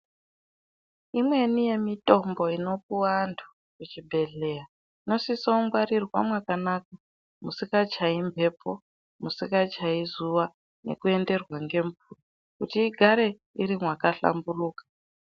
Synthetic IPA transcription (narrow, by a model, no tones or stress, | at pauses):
imwe̞nije̞mitʼo̞mbo̞ino̞k̚uwandʰʱu | kut͡ʃibʱe̞ɮe̞a | ino̞sisoumɡwaɾirwa̰mwakanak̚a | musikat͡ʃaimbʱe̞pʰo | musikat͡ʃaizuʋa | ne̞̰kue̞nde̞rwaŋɡe̞ɱpuro | kutiːɡʱaɾe̞ | iɾimwakaɬa̰mburuːkḁ